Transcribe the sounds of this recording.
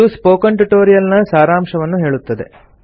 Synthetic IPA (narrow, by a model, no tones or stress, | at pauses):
uspoːkɐɳʈuʈoːɾijɐlnɐsaːɾaːmʂɐʋɐnːuɦe̞ːɭut̪ːɐd̪e̞̰